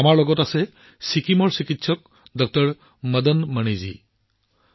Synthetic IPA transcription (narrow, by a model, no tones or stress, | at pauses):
amaɹlɔɡɔtasɛ | sikimɔɹsikitsɔk̚ | dɔk̚tɔɹ | mədənməñizḭ